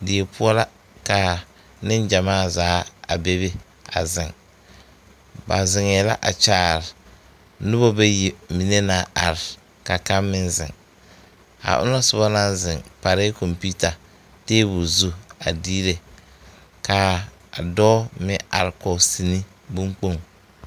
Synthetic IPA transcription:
dɪ˨e˨pʰʊ˦ɔ˦la˦ | ka˨ | nɪ˦nd͡ʒa˨maː˦˨zaː˨˦a̰˨be˦be˦ | a̰˨zɪ˨ŋ | ba̰˨zɪ˨ŋɛː˨la̰˦ʔa˨t͡ʃaː˨ɾɪ˨ | nʊ˦bo˦be˦ji˨mi˨ne˦na˨a˨ɾɪ˨ | ka˨ka˦mːɪ˦nzɪ̰˨ŋ | a̰˨ʔʊ̰˦na˦sʊ˨ba˦na˦zɪ˨ŋpa˨ɾɪ˦ko˨mpi˦ta˨ | teː˦bu˨zu˦a˨diː˦ɾe˨ | ka˨ | dɔː˦mɪ˦a̰˨ɾɪ˨kɔ˨si˨ni˦ | bu˦ŋk͡po˦˨ŋ

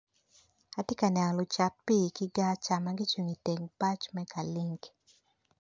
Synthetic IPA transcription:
a˨te˦ka˨nɛ˨lʊ˨t͡ʃa˨t̚pi˦˨kɪ˦ɡa˦t͡ʃa˨ma˦ɡɪ˦t͡ʃwu˨ŋi˨te˨ŋpa˦t͡ʃmɛ˦kʰa˨li˦ŋɡ

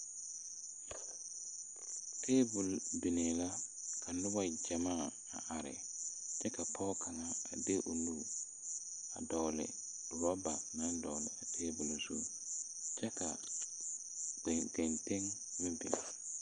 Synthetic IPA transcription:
tʰeː˦bʊ˨lbɪ˨ne˨la˦kʰa˨nʊ˦ba˦d͡ʒa˨maː˦˨ | a̰˨ʔa˨ɾɪ̰˨ | t͡ʃɛ˦ka˨pʰɔː˦kʰa˨ŋa˦a̰˨de˦ʔo˨nu˦ | a̰˨dɔ˨lɪ̰˨ | ɾɔ˦ba˨na˦dɔ˨lɪ̰˨a˨tʰeː˦bʊ˨lsʊ̰˦ | t͡ʃɛ˦ka˨ | ɡɛ˨nte˦ŋ | mɪ˦bɪ̰˨

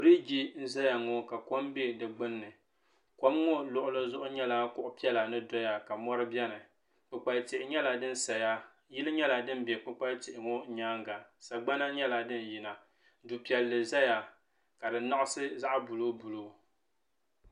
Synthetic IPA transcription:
ɾi˦ɡi˦n̩˦za˦ja˨ŋo˦ka˨ko˦mbe˦dɨ˨ɡ͡bɨ˦nːɨ˨ | ko˦mŋo˦lʊ˦ʔʊ˦lɨ˦zʊ˦ʔʊ˦ɲɛ˦la˦kʊ˦ʔʊ˦pi˦ɛ˦la˨nɨ˦dɔ˦ja˨ka˨mɔ˦ɾɨ˦bɛ˦nɨ˨ | k͡pɨ˨k͡pa˨ltɪ˨ʔɪ˨ɲɛ˦la˨dɨ˦n̩˦sa˨ja˦ | ji˦lɨ˦ɲɛ˦la˨dɨ˦m˦bɛ˨k͡pɨ˦k͡pa˦ltɪ˨ʔɪ˨ŋo˦ɲaː˦ŋɡa˨sa˨ɡ͡ba˦na˦ɲɛ˦la˨dɨ˦n˨ji˨na˨ | du˨pi˨ɛ˨lːɨ˨za˦ja˨ | ka˨dɨ˨na˦ʔʊ˦sɨ˦za˦ʔbu˨lo˦bu˨lo˦

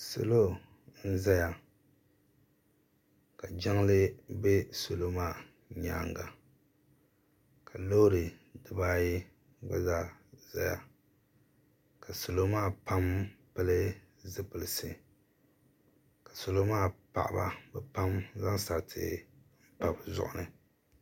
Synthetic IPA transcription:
so̰˨lo˦ | n̩˦za˦ja˨ | ka˨d͡ʒa˦ŋlɨ˦be˦so˨lo˦maː˦˨ | ɲa̰ː˦˨ŋɡa̰˨ | ka˨lo˦ɾɨ˨dɨ˦baː˦jɪ˦ | ɡ͡ba̰˦za˦˨za˦ja̰˨ | ka˨so˨lo˦maː˦˨pa˦mpɛ˦lɨ˦ | zɨ˦pɨ˨lɨ˨sɨ˨ | ka˨so˨lo˦maː˦˨pa̰˨ʔa̰˨ba̰˦bɛ˨pa˦mza˦ŋsa˨ɾtʰɨ̰˨m̩˦pa˨bzʊ̰˦ʔʊ˦nɨ˨

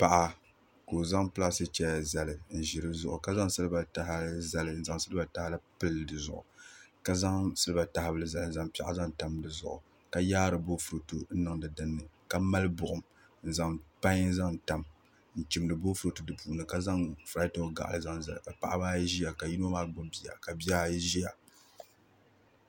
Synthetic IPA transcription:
pa˨ʔa˦ | ko˨za˦ŋpɨ˦a˦sɨ˦t͡ʃɛ˦a˨za˨lɨ˨n̩˨ʒɪ˨ɾɨ˦zʊ˦ʔʊ˨ka˦za˦ŋsɨ˦lɨ˦ba˨ta˨ha˦za˦lɨ˦n̩˨za˨ŋsɨ˦lɨ˦ba˨ta˦hɪ˦la˦pɨ˦ldɨ˨zʊ̰˨ʔʊ̰˨ka˦za˦ŋsɨ˦lɨ˦ba˨ta˨hɪ˦bɨ˦lɨ˦za˨lɨ˨n̩˨za˦ŋpi˦ʔa̰˦za˦ŋta˨mdɨ˨zʊ̰˨ʔʊ̰˨ | ka˦jaː˦ɾɨ˨bo˦fu˨ɾo˨tu˨n̩˦nɨ˨ŋdɨ˨dɨ˦nːɨ˨ka˦ma˦lɨ˦bʊ˨ʔʊ˦m | n̩˨za˨ŋpa˦ɲ˦za˦ŋ˨ta˨m | n̩˨t͡ʃi˨m˦dɨ˨bo˦fu˨ɾo˨tu˨dɨ˨puː˨nɨ˨ka˦za˦ŋfɾa˦to˦˨ɡa̰˨ʔlɨ˦˨za˦ŋza˨ka˨pa˦˨ʔa˦baː˦jʒi˦ja˨ka˨ji˦n˦o˦maː˦ɡo˦bi˨ja̰˨ka˨bi˦a˦˨jʒi˦ja˨

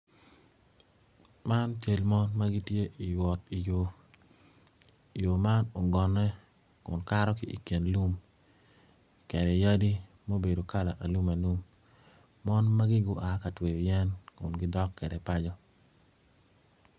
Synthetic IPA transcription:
ma˦nt͡ʃe˨lmɔ˦nma˦ɡi˦tje˦ʔi˨jwɔ˨ti˨jo | jo˨ma˦no˨ɡɔ˨nɛ˦ | kʊ̰˨nka˦ɾɔ˦kɪ˦ʔḭ˨ke˨nlu˦m | kɛ˨dɛ˨ja˦di˦ | mo˦be˨do˨ka˦la˨ʔa˨lu˦ma˨lu˦mː | ɔ˦nma˦ɡɪ˦ɡʊ˦ʔa˨˦ka˨twe˨jɛ˦nkʊ˨nɡɪ˦dɔ˦kːɛ˨dɛ˨pa˦d͡ʒɔ˦

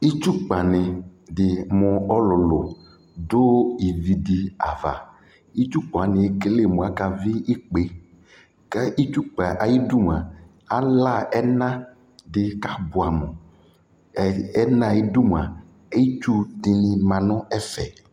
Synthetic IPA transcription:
i˦t͡ʃu˦k͡pa˨nẽ˨dɪ˨mɔ̃˨ɔ˦lɔ˨lo˨ | do˦i˨vi˨di˨a˨va̰˨ | i˦t͡ʃu˦k͡pa˨nẽ˨˦ke˦le˦˨mõ˨a˨ka˦viː˦k͡pe˨ | ka˦i˦t͡ʃu˦k͡pa˨ʔa˨ji˦du˦m˨a˨ | a˦la˦ɛ˦nã˦ | dɪ˨ka˦bʊ˨a˨mɔ̃˨ | ɛ˦nã˦˨i˦du˦m˨a˨ | e˦ji˦t͡ʃu˦di˨nĩ˨mã˨nɔ̃˦ɛ˦fɛ̰˨

